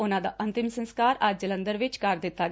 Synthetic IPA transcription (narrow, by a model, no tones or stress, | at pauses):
ʊnãːd̪a̰ːʔənt̪ɪmsənskaːɾad͡ʒd͡ʒələnd̪əɾʋɪt͡ʃkəɾd̪ɪt̪ːaː